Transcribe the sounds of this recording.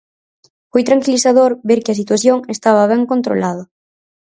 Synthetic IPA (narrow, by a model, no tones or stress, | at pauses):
fojt̪ɾaŋkiliθaðoɾbeɾkɪɐs̬it̪waθjoŋest̪aβ̞ɐβ̞ɛŋkont̪ɾo̰laðɐ